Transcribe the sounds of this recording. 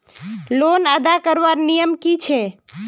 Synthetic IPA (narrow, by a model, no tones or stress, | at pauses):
lonəd̪akəɾʋaɾnijəmkit͡ʃʰe